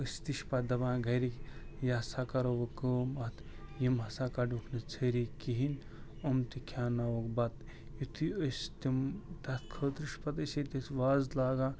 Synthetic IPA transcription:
əst̪iʃpɐd̪ɐbãːɡʱɐɾikjasakɐɾoʋɐkəːmɐt̪ʰjimɐsaːkɐɖukʰnɨt͡sʰəɾikiɦin | omt̪ikʰʲaːnawokbɐt̪ | jut̪ʰiəst̪imt̪ɐt̪kʰəːt̪ɾiʃpɐt̪əset̪it̪ʋaːzlaːɡaː

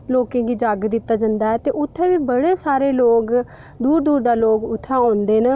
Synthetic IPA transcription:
loːkẽːɡiːd͡ʒaːɡd̪ɪt̪ːaːd͡ʒənd̪aːɛːt̪eːʔʊt̪ʰːɛ̃ːʋiːbəɽeːsaːɾeːloːk | d̪uːɾd̪uːɾd̪aːloːkʊt̪ʰːãːãːnd̪eːnə

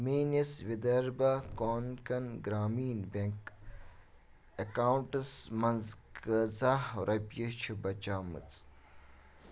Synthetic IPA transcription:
meːnisʋid̪ɐɾbɐkoːnkɐnɡɾaːmiːnbeŋk | ɐkaːuɳʈɐsmɐnzkɐzahɾʔɐpjit͡ʃʰibɐt͡ʃaːmɨ̰t͡s

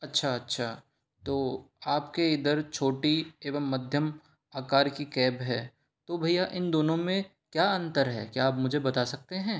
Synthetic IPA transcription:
ɐtːʃʰaɐtːʃʰaː | t̪oːaːpkeɪd̪əɾt͡ʃʰoːʈieːʋəmːɐd̪ʱjəm | aːkaːɾkikɛːbɦɛː | t̪obʱɐijaʔɪnd̪oːnõmẽ | kjaːɐ̃nt̪əɾɦɛ̰ːkjaːpmʊd͡ʒʱebɐt̪asɐk̚t̪eɦɛ̃ː

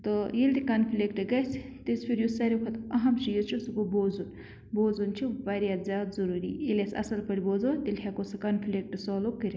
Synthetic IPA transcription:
t̪ojilʲd̪ikɐnpʰilʲekʈɨɡɐs | t̪ispʰʲiɾjusɐɾʲepʰɐt̪ɐɦɐmʃijot͡ʃʰusukoboːzun | boːzunt͡ʃʰibɐɾʲjaːd̪zʲjaːd̪zuɾuːɾḭilʲesɐ̰sɐlpɐɽʲiboːzot̪ilʲɦʲakosɐkɐnpʰilʲek̚ʈɨsoːlokːɨɾʲ

